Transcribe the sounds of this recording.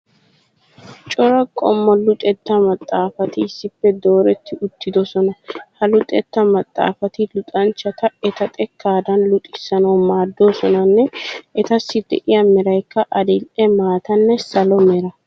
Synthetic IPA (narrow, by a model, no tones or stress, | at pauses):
t͡ʃʼɔɾɐkʼɔmːɔlʊt̪ʼɛt̪ːɐmɐt̪ʼːaːfɐt̪ɪɪsːɪpːɛd̪o̞ːɾɛt̪ːɪʔʊt̪ːɪd̪ɔsɔnɐhɐlʊt̪ʼɛt̪ːɐmɐt̪ʼːa̰ːfɐt̪ɪlʊt̪ʼɐnt͡ʃːɐt̪ɐɛt̪ɐt̪ʼɛkʰːaːd̪ɐnlʊt̪ʼɪsːɐnɐwmaːd̪ːoːsɔnɐnːɛʔɛt̪ɐsːɪd̪ɛ̰ʔɪjɐmɛɾɐjkːɐʔɐd̪ɪlʔɛmaːt̪ɐnːɛsɐlɔmɛɾɐ